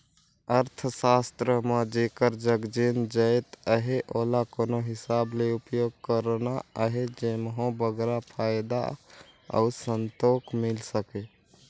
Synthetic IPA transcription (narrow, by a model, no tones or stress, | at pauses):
əɾt̪ʰsast̪ɾəmãd͡ʒekəɾd͡ʒəɡd͡ʒind͡ʒəjt̪əɦeʔolakonoɦɪsableupjoɡ̚kəɾnaəɦed͡ʒemɦõbəɡɾapʰaɪd̪a̰ə̰usənt̪okmilsəke